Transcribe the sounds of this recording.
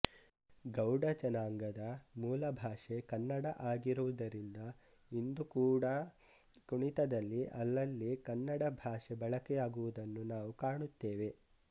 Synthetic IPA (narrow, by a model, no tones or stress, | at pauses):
ɡɐwɖɐt͡ʃɐnaːŋɡɐd̪ɐmuːlɐbʱaːʂe̞kɐnːɐɽɐʔaːɡiɾuʋud̪ɐɾind̪ɐ | ind̪ukuːɽɐ | kuɳit̪ɐd̪ɐlːiʔɐlːɐlːikɐnːɐɽɐbʱaːʂebɐɭɐkɛjaːɡuʋud̪ɐnːunaːʋukaːɳut̪ːeːʋe̞